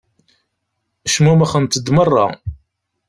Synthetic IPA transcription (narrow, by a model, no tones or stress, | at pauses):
æʃmumæχənt̪əd̪mərˤːɑ̰